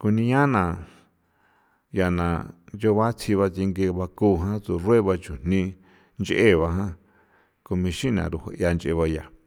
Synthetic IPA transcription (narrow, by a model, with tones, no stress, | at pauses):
ku˧nĩ˧ɲã˦nã˨ | ja˨nã˨nd͡ʒo˧βa˦t͡sʰi˧βa˧t͡si˧ŋɡe˧βa˧ku˧˨ɦã˦t͡su˨rwe˦βa˧t͡ʃu˨n̥nĩ˧ | nt͡ʃʔe˦˨βa˧ɦã˦ | ko˧mĩ˧ʃĩ˦nã̰˨ɾu˧ho̰˧ʔja˧nt͡ʃʔḛ˧βa˧ja˨